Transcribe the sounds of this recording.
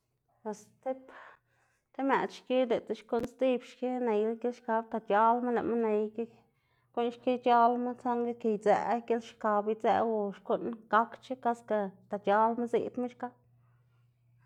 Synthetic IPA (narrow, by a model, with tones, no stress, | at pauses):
pe˨st̪e˦p | t̪e˦me˨t̪ʃki˦d̪e˨t̪a˦ʃku˦ʔnst̪i˦bʃke˦ne˨jla˦ɡe˦lʃka˧˦b̚t̪a˨t͡ʃa˦lma˦la̰˨ʔma˦ne˧jke˦ | ku˦nʃke˦t͡ʃa˦lma˦t͡sa˦ŋɡe˦ke˧jd͡zḛ˧ɡe˦lʃka˧bi˦t͡sḛ˧ʔwu˧ʃku˦ʔnɡa˦kt͡ʃe˦ka˦ska˧t̪a˨t͡ʃa˦lma˦zḭ˧t̪ma˦t͡ʃka˦